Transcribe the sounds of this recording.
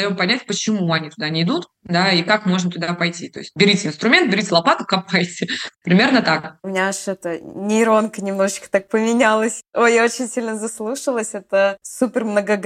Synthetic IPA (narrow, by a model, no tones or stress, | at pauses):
ɐjo̞mpɐnʲætʲpət͡ɕɪmuɐnʲit̪ʊd̪anʲɪːd̪ut̪ | d̪aikakmo̞ʐnət̪ʊd̪apɐjtʲit̪oɪsʲtʲbʲɪɾʲitʲɪɪnst̪ɾʊmʲent̪̚bʲɪɾʲitʲɪlˠɐpat̪ʊkɐpajtʲɪpɾʲɪmʲe̞rnət̪akʊmʲɪnʲaʂɛt̪ənʲɪːɾo̞nkənʲɪmno̞ʐɨt͡ɕkə̥t̪ak̚pəmʲɪnʲalˠəsʲojaot͡ɕɪnʲsʲilʲnəzɐslˠuʂəlˠəsʲɛt̪əsupʲɪrmnəɡəɡ